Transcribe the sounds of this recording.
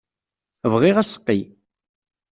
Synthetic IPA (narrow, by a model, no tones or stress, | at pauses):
əvʁiʁæsə̥qːi